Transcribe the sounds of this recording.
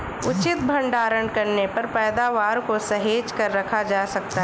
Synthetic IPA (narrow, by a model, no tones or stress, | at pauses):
ʊt͡ʃɪt̪̚bʱɐ̃ɳɖaːɾəɳɖkɐɾnepɐɾpɛːd̪aːʋaːɾkosɐɦeːd͡ʒkɐɾːɐkʰad͡ʒaːsɐk̚t̪aɦ